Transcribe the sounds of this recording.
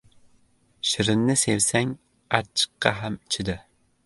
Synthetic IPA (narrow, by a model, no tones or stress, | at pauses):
ʃɪɾɪnːɪsewsɛŋ | ɑt͡ʃʰːɨ̥qːɑɦæmt͡ʃʰɪd̪ɪ